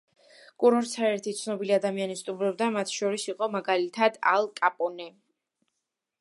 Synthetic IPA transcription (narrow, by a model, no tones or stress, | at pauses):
kʼuɾɔɾt̪sʰaɛɾt̪ʰit̪sʰnɔbiliad̪amianist̪ʼumɾɔbd̪amat̪ʰʃɔɾisiqʼɔmaɡalit̪ʰad̪̥a̰lˠkʼapʼɔnɛ